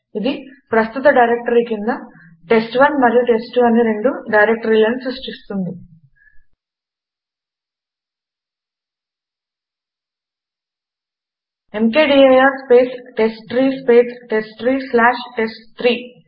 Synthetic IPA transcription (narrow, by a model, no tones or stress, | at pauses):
id̪ipɾɐst̪ut̪ɐɖɐjɾek̚ʈɐɾikind̪ɐ | ʈe̞sʈʋɐnmɐɾijuʈe̞sʈʋɐnːiɾe̞ɳɖuɖɐjɾek̚ʈɐɾiːlɐnisusʈist̪und̪i | e̞mkeːɖiɐjaːɾspeːsʈesʈːɾiːspeːsʈe̞sʈɾiːslaːʂʈe̞sʈt̪ɾiː